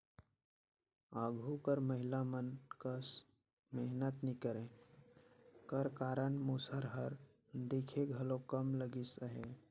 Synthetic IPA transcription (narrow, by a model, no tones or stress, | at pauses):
aɡʱukəɾməɦilamənkəs | meɦnət̪nikəɾẽ | kəɾkaɾəɳmusəɾɦəɾ | d̪ekʰeɡʱəlokəmləɡisəɦe